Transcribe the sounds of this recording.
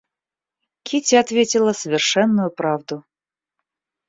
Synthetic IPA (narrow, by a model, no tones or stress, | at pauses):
kʲʰitʲɪat̪vʲetʲɪlˠəsəvʲɪrʂɛnːʊjʊpɾavd̪ʊ